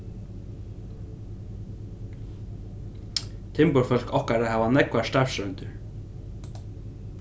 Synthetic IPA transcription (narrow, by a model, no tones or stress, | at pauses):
t̪ʰɪmpʊɾfœl̥kɔhkaɾahɛvanɛkvast̪afsɾœnt̪ʏɾ